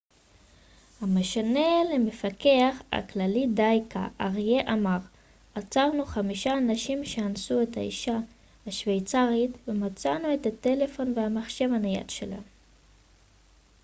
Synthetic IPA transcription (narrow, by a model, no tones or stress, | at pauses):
hame̞ʃane̞leme̞fake̞aχa̰klalidajka̰ʔaʁje̞ʔamaʁ | at͡saʁnuχamiʃaːnaʃimʃeansue̞thaḭʃa | haʃvejt͡saʁitvemat͡sanue̞tate̞le̞fo̞nveamaχʃe̞vanaja̰tʃela̰n